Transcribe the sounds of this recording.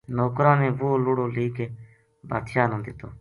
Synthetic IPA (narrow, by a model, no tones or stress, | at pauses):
noːkɾãːnẽːʋoːloːɽoːliːkeː | ba̰ːt̪ʃaːnãːd̪ɪt̪oː